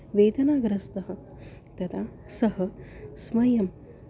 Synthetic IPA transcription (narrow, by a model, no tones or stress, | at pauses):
ʋeːd̪ɐnaːɡɾɐst̪ɐɦɐ̆ | t̪ɐt̪ʰaː | sɐɦɐsmɐjɐm